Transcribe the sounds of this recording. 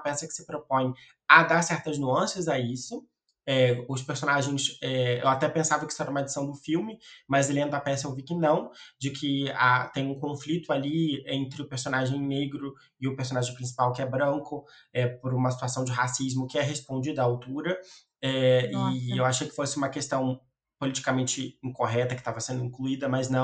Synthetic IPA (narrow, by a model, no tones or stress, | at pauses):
pɛsɐkɪ̥sɪ̥pɾopõj̃ | ad̪aɾsɛɾt̪ɐznuɐ̃sɐzɐisʊ | ɛʊspeɾsonaʒẽj̃sɛḛwat̪ɛpẽsavɐkɪisʊɛɾɐũmɐed͡ʒɪsɐ̃w̃d̪ʊfiwmɪmɐzlẽnd̪ʊapɛsɐewvikɪnɐ̃w̃d͡ʒɪkʰɪat̪ẽj̃ũkõflit̪ʊaliẽnt̪ɾɪʊpeɾsonaʒẽj̃neɡɾʊ | ɪʊpeɾs̬õnaʒẽj̃pɾĩs̬i̥pawkɪɛbɾɐ̃ŋkʊ | ɛpʊɾũmɐsi̥t̪uasɐ̃w̃d͡ʒɪɦasizmʊkɪɛɦespõnd͡ʒid̪ɐaawt̪uɾɐ | ɛɪewaʃejkɪ̥fosɪũmɐkest̪ɐ̃w̃ | polit͡ʃi̥kamẽnt͡ʃɪĩkoɦɛt̪ɐkɪt̪avɐsẽnd̪ʊĩkluid̪ɐmɐznɐ̃w̃